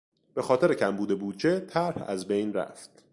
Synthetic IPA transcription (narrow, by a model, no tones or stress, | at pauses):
b̥e̞xɒːt̪ʰe̞ɾecʰæmbuːd̪e̞buːd̪d͡ʒe̞t̪ʰæɾhæ̰zbejnɾæ̰ft̪̚